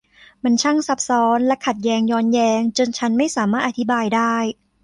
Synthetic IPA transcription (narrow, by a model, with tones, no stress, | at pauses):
ma˧nt͡ɕʰa˥˩ŋsa˦˥p̚sɔː˦˥nlɛ˦˥kʰa˨˩t̪̚jɛː˧˥ŋjɔː˧˥njɛː˧ŋt͡ɕo˧nt͡ɕʰa˦˥nma˥˩jsaː˩˦maː˥˩t̪ʔa˧t̪ʰi˦baː˧jdaː˥˩j